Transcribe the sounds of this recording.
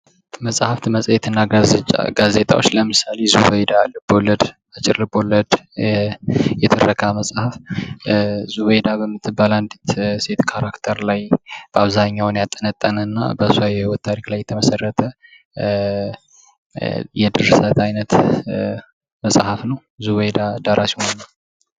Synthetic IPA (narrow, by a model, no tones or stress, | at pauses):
məsʼhaft̪ʰɨməsʼjɛt̪ʰɨnːaɡazt͡ʃa̰ɡaze̞t̪ʼa̰wo̞̰t͡ʃːləmɨsalezubəjd̪alɨb̥o̞ləd̪ | at͡ʃʼɪɾlɨbo̞ləd̪ | jɛt̪ʰɨrəkʰaməsʼhaf | zuβəjd̪abəmːɨt̪ʰːɨbaland̪it̪se̞t̪kʰaɾakt̪ʰəɾlajb̥əaβzaɲːawnjat̪ʼːənət̪ʼːənəɨnːa̰bəsuajɛwot̪ːʰaɾiklajːɛt̪ʰəməsərːət̪ʰə | jɛd̪ɨɾsət̪ʰajnət̪ | məsʼhafnəw | zuβəjd̪ad̪aɾʔasihonːəw